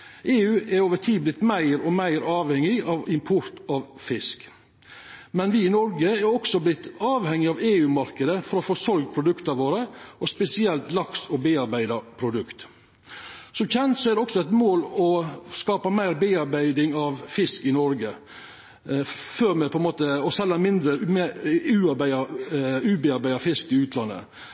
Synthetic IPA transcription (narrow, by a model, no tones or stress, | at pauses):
ʔeːʉːɛɾoːʋəʈʰiːblɪt̪mæɪɾɔmæɪɾɑːʋhɛŋːɪɑʋɪmpʰʊɾt̪ɑʋfɪsk | mɛnʋɪːnɔɾɡəɛɾɔksɔblɪt̪ːɑːʋhɛŋːɪɑʋeːʉːmɑɾkəd̪əfɔɾɔfoːsɔɾɡpʰɾʊd̪ʉkt̪əʋoːɾəʔɔspɛsɪɛlt̪lɑksɔbeːɑɾbæɪd̪ɑpʰɾʊd̪ʉkt̪ | sɔmçɛnt̪sɔæd̪ɛɔksɔæɪt̪moːlɔskɑːpɑmæɪɾbeːɑɾbæɪd̪ɪŋɑʋfɪskɪnɔɾɡə | føːɾmɛpʰɔɛnmoːt̪əɔsɛlːɑnmɪnd̪ɾəmʉːɑɾbæɪɑʉːbeːɑɾbæɪd̪ɑfɪskɪʉːt̪ʰlɑnːə̰